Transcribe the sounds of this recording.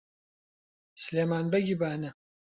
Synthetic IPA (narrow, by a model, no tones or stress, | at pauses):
sleːmaːnbɐɡʲibaːnɨ